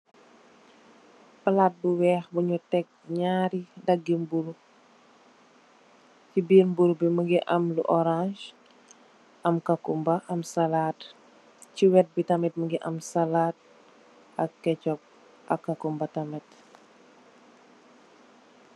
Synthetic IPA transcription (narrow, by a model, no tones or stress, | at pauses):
pɐlat̚buwɛːxbuɲutɛk̚ɲaːɾidɐɡːimbuɾu | cibiːɾmbuɾubiməɡiʔɐmlṵʔɔɾãʃ | ʔɐmkɐkumbɐʔɐmsɐlat | ciwɛt̚bitɐmɛt̚məɡiʔɐmsɐlat̚ | ɐkːɛcɔp̚ | ʔɐkːakumbɐtɐmɛt